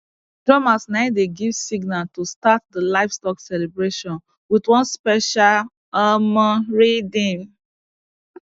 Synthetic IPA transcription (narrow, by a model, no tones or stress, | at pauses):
d̥ɹɔmasnaɪdeɡivsiɡnaltustat̚dəlaɪfstɔksɛlebɹeʃɔ̃n | widwɔ̃nspɛʃal | amaɹedĩm